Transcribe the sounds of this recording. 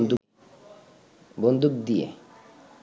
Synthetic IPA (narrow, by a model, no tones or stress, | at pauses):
d̪u | bond̪uk̚d̪ijḛ